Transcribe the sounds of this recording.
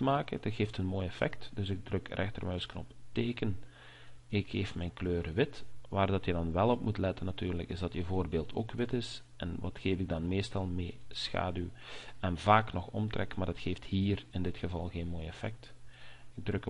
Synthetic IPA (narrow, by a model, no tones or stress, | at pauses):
maːkə̰dɑtxeːftənmoːjɛfɛ̰ktd̥ɵsɪɡ̚drɵkrʔɛ̰xtə̰rmœɥsknɔpteːkən | ɪkeːfmɛjnkløːɾəʋɪtʋaːrdɑtjədɑnʋɛlˠɔpmutlɛtənːɑtyːrləkɪzdɑtəvoːrbeːlˠtʰo̰ːkʋɪtɪs | ʔɛ̰nʋɑ̰txeːvɪɡ̚dɑnmeːstɑlˠmeːsxa̰ːdyɛnvaːknɔxɔ̰mtrɛ̰kmaːdətxeːfthiːrɪndɪtxəvɑlˠɣeːnmoːjɛfɛ̰k̚tɪɡ̚drɵk